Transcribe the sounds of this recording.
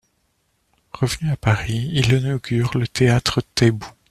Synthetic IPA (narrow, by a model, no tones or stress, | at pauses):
ʁəvənyapaʁiilənɔɡʲyʁlət̪eat̪χət̪ɛbu